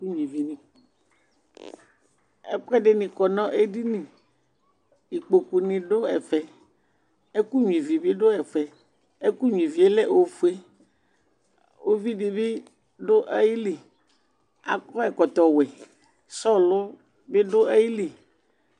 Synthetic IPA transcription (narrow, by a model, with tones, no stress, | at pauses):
u˦ɲĩ˨vi˨nĩ˨ | ḛ˦k͡pɛ˦ɖe˦nĩ˨kɔ˨nɔ̃˦ʔe˦ɖi˦nĩ˨ | i˨k͡po˨ku˨nĩ˨ɖo˦ɛ̰˨fɛ˨ | e˦ku˦ɲ˨ĩ˨vi˨be˦ɖo˦ɛ˨fɛ˨ | e˦ku˦ɲu˨ĩ˨vi˨e˦lɛ˦˨ʔo˨fu˦e˦ | wo˦vi˦ɖe˨be˦ | ɖo˦ʔa˦ji˦li˨ | a̰˨kɔ˦ɛ˨kɔ˨t̪ɔ˨wɛ˨ | sɔ˦lo˦ | be˦ɖo˦a˦ji˦li˨